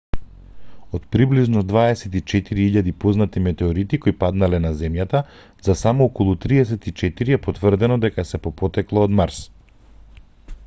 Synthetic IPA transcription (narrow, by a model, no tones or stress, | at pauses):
ot̪pɾibliʒnɔd̪vaɛsɛt̪it͡ʃɛt̪iɾiiʎad̪ipɔznat̪imɛt̪ɛɔɾit̪ikoipad̪nalɛnazɛmjat̪a | z̥asamɔɔkɔlˠut̪ɾiɛs̬ɛt̪it͡ʃɛt̪iɾiɛpɔt̪vərd̪ɛnɔd̪ɛkasɛpɔpɔt̪ɛklˠaod̪maɾs